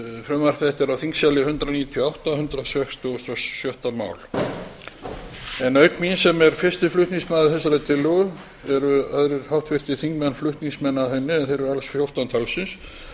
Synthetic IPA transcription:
fɾʏmar̥k̪ɛht̪ɛɾawθiŋksjalɪhʏnt̪ɾaniːt̪ʰjawht̪ahʏnt̪ɾasɛkst̪ːst̪ɛssjœht̪ama̰ːwl | ɛnœɥkminsɛmɛɾ̥fɪr̥st̪ɪflʏht̪niŋsmaːðɪθɛs̬ːaɾat̪ʰɪlːœɣʏ | ɛɾʏœðɾɪɾ̥hawht̪vɪr̥t̪ɪθiŋkmɛnflʏht̪niŋsmɛnːahɛnːʏɛnθejɾʏɾalsfjowht̪ant̪ʰalsɪns

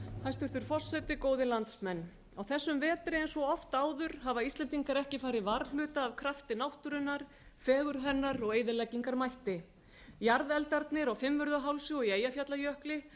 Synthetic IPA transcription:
hajst̪ʏɾ̥θʏɾ̥fɔr̥sɛt̪ɪkoːwðɪlant̪smɛnː | awθɛsːʏmvɛːt̪ɾɪɛnsvɔɔft̪aːwðʏɾ̥havaist̪lɛnt̪̬iŋkaɾɛhcɪfaːjɾɪvaɾl̥ʏːt̪aːvkʰɾaft̪ɪnawht̪ʏɾʏnːaɾ̥ | fɛːɣʏɾ̥ɦɛnːaɾɔɣeːjðɪlɛcːiŋkaɾmajht̪ɪ | jaɾðɛlt̪aɾt̪nɪɾawfɪmvʏɾðaɦawlsɪɔɣieːjafjat̪lajœhklɪ

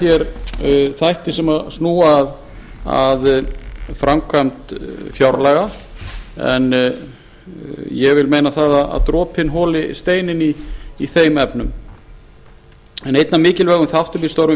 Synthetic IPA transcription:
jɛɾ | θajht̪ɪsɛmasnuːaːð | a̰ð | fɾʔamkʰvam̥t̪fjawɾlɛɣa | ɛ̰n | jɛvɪlmeːjnaθaðaða̰ðt̪ɾɔːphɪnɦɔːlɪst̪eːjnɪniːθejmɛpnʏm | ɛnejt̪namɪːcɪlvɛːɣʏmθaht̪ʏmpist̪owɾvʏ

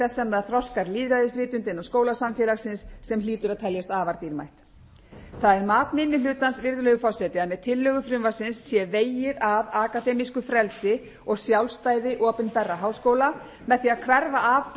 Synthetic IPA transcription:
ɛsːɛmaðθɾɔskaɾliːðɾaðɪsvɪːt̪ʏnt̪ɪnːaskoːwlasamfjɛlaxsɪnsːɛmliːt̪ʏɾaðt̪ʰɛljast̪aːvaɾt̪iɾma̰jht̪ | θaðɛɾmaːt̪mɪnːɪlʏːt̪ansvɪɾðʏlœːɣʏfɔ̥sɛt̪ɪðamːɛðt̪ʰɪlːʏɣʏfɾʏmvasɪnsːjɛveːjɪɾavaːkat̪ɛːmiskʏfɾɛlsɪ | ɔɣsjawlst̪aːjðɪʔɔːpɪnpɛrːaɦaːwskoːwla | mɛðθiːaðkʰvɛɾvaʔaːvp

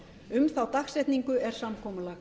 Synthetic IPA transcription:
ʏmθawt̪axsɛht̪niŋkʏɛɾ̥samkʰɔːmʏla

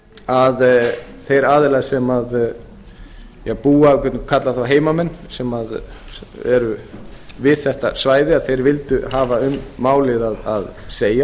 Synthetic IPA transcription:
aðθejɾaːðɪlasɛmað | jɛɣpuːakvɛt̪nkʰat̪laθawɦeːjmamɛnːsɛmað | ɛ̰ɾʏvɪðθɛht̪asvaːjðɪaðθejɾvɪlt̪ʏɦaːvaʏmːaːwlɪðaðaðseːja

